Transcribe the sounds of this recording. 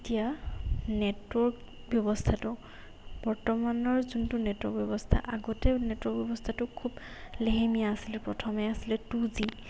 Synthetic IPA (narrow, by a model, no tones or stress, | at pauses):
etijanɛtwɔɹk | bjɔbɔstʰatʊ | b̥ɔɹtɔmanɔɹzuntunetwɔ̰kbjɔbɔstʰa̰ʔaɡɔtɛnetwɔkbjɔbɔstʰatʊkʰub | leɦemijaːsilɛpɹɔtʰɔmɛasilɛtuzi